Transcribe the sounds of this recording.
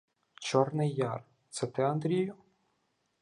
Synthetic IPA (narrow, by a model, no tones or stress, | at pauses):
t͡ʃɔrnɪjːɑr | t̪sɛt̪ɪɐnd̪ɾʲijʊ